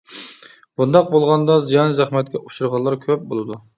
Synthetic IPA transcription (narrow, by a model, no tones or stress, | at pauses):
bund̪ɑq̚bolˠʁɑnd̪ɑzijɑnzæχmɛt̪̚kʲɛʔuʃuɾʁɑlˠɑɾkʲʰøp̚bolˠɨd̪u